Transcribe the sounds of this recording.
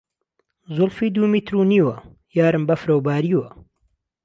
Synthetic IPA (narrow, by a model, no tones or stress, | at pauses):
zʊlfiːd̪uːmiːt̪ɾuːniːwɐ | jaːɾɨmbɐfɾɐwbaːɾiːwɐ